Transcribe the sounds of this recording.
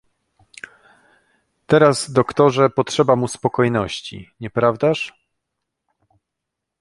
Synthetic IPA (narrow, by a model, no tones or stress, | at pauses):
t̪ɛɾazd̪ɔkt̪ɔʐɛpɔtʂɛbamuspɔkɔjnɔɕt͡ɕḭɲɛpɾavd̪aʂ